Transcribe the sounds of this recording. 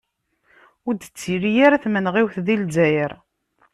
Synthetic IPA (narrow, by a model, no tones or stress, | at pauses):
ʊd̪ət͡sːiɾijaɾæθmənʁiwθðilzæjəɾ